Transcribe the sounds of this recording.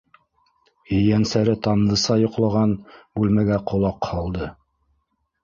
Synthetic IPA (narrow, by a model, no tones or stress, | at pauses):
ɵ̆jænsæɾɘt̪ɑnd̪ɤ̆sɑjŏqlˠɑʁɑnbʉlmæɡæqʰŏlˠɑqhɑlˠd̪ɤ